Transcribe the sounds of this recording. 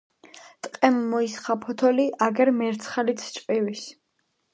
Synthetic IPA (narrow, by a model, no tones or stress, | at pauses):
t̪ʼqʼɛmːɔisχapʰɔt̪ʰɔliʔaɡɛɾmɛɾt̪sʰχalit̪sʰt͡ʃʼqʼivis